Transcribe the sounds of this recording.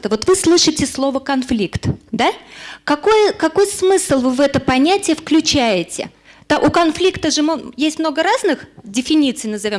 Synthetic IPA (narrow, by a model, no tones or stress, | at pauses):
t̪əvo̞t̪vɨslˠɨʂɨtʲɪslˠo̞vəkɐnflʲikt̪d̪akɐko̞jəkɐko̞jsmɨslˠvɨvɛt̪əpɐnʲætʲɪjəfklʲʉt͡ɕæjɪtʲɪ̰ | t̪aʔʊkɐnflʲikt̪əʐɨmjesʲtʲmno̞ɡəɾaznɨxdʲɪfʲɪnʲit̪sɨjnəzɐvʲo̞m